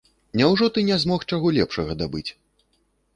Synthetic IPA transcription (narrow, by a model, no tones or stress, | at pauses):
nʲɛwʐɔt̪ɨnʲɛzmɔxt͡ʂaɣɔlʲɛpʂɐɣɐd̪abɨt͡sʲ